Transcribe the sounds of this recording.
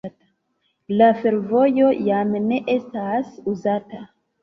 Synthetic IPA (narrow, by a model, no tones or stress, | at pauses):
ta | lafe̞ɾvo̞jo̞jamne̞ʔe̞stasuzata